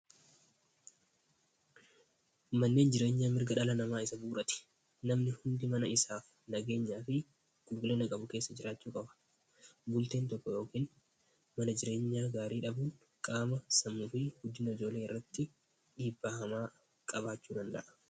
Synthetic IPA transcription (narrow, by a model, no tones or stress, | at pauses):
mɐnːe̞ːnd͡ʒɪɾe̞ːɲːaːmɪɾɡɐᶑɐlɐnɐmaːɪsɐbuːɾɐt̪ɪ̥ | nɐmnɪhʊnd̪ɪmɐnɐɪsaːf | nɐɡe̞ːɲːaːfɪ | ɡ̥ʊlɡʊleːnɐkʼɐbʊke̞ːsːɐd͡ʒɪɾaːt͡ʃːuːkʼɐbɐ̥ | bʊlt̪e̞ːnt̪ɔkːɔjo̞ːkiːn | mɐnɐd͡ʒɪɾe̞ːɲːaːɡaːɾiːᶑɐbuːŋ | kʼaːmɐsɐmːʊfɪɡʊd͡ʒːɪnɐɪd͡ʒo̞ːle̞ːɪrːɐt̪ːɪ | ᶑiːbːaːhɐmaː | kʼɐbaːt͡ʃːuːd̪ɐnd̪ɐ̰ʔɐ̥